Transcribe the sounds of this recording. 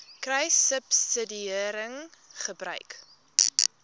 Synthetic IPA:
krɛjsəpsədiəɾəŋχəbrœ̰ɥk

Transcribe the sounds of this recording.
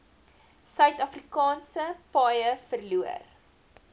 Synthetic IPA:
sœɥtɐfrikɑːnsəpɑjəfərluə̰r

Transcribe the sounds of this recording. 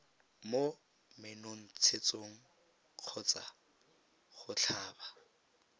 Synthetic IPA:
mo | mɪnoŋ̩t͡sʰet͡sʼoŋ̩ | q͡χʰɔt͡sa | χʊt͡ɬʰaːba

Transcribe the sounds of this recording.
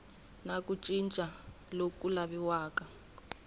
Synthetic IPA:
nakut͡ʃʼint͡ʃʼa | lokulaβiwaːka

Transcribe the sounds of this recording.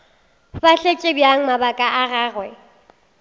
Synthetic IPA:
baɬet͡ʃʼɪbjaŋ̩mabakʼaʔaɣaːɣwɛ

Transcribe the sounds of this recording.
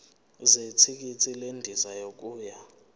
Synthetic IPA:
zet͡sʰik̬it͡sʰilendʱizajok̬ʼuːja

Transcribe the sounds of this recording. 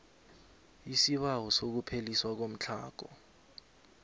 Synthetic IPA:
isiɓawɔsok̬upʰeliswak̬om̩t͡ɬʰa̰ːk̬ɔ

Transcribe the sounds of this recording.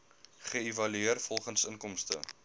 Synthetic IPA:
χəevɐlyiərfɔlˠχənsəŋkɔmstə̰

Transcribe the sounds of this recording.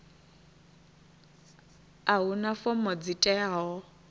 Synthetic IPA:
aɦunafɔmɔd͡zitʼɛaːɦɔ

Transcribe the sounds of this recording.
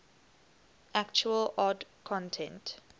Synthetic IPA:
ʔækt͡ʃuəlɔdkʰɔ̃ntʰɛ̃nt

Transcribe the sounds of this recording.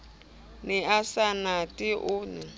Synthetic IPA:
nɪasanatʼiʔʊni

